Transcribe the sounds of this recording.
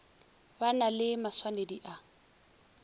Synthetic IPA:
banalɪmaswanediʔa

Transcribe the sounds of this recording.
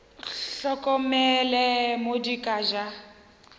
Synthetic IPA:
ɬɔkʼɔmɛlɛmodikʼaʒa

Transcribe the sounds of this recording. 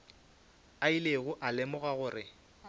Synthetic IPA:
aileɣʊʔalɪmʊɣaɣʊːrɪ

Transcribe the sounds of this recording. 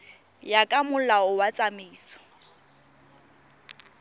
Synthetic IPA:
jakʼamʊlaʊwat͡sʼameːsɔ̥

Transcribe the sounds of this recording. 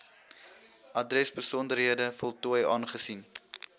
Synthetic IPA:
ʔɐdrɛsbəsɔndərɦiədəfɔlˠtuəjɑːnχəsin

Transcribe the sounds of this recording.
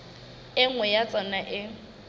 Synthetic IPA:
ɪŋ̩wɛjat͡sʼɔnaʔɪ

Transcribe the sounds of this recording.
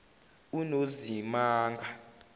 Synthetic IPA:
unozimaːŋɡʱa

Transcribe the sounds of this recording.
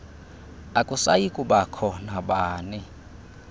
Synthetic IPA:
akʼusa̰jikʼuɓakʰɔnaɓaːnɛ

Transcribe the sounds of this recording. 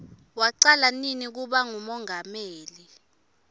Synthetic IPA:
waǀalaninik̬uɓaŋumɔŋameːli

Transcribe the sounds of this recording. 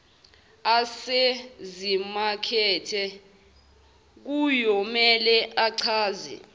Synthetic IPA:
asezimakʰɛːtʰɛ | k̬ujɔmɛlɛʔaǀʰaːzḭ

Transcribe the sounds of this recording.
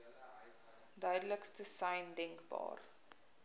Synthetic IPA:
dœɥdələkstəsɐjndɛŋkbɑ̰ːr

